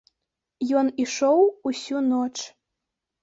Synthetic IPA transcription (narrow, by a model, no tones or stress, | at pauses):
joniʃowusʲunot͡ʃ